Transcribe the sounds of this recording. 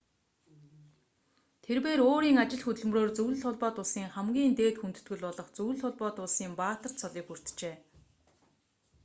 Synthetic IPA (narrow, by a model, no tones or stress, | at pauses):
t̪ʰerpeːɾoːɾiːŋat͡ɕɪ̆ɮxɵt̪ɵ̆ɮ̆m̆roːrt͡sɵwɮɘ̆ɮʊɮpɔːt̪ʊɮsiːŋχæmɡʲiːnt̪eːt̪xunt̪ɵ̥̆t̪ɡɘ̆ɮpɔɮɞ̆χt͡suw̆ɮʊɮpɔːt̪ʊɮsiːmpaːt̪ə̆r̥sʰɔɮiːkxur̥t̪t͡ɕeː